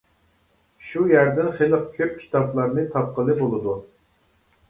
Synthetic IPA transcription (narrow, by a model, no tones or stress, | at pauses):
ʃujæɾd̪ɪnχelˠəqkʲʰøp̚kʲʰi̥t̪ʰɑplˠɑɾnɨt̪ʰɑp̚qəlˠɨbolˠɨd̪u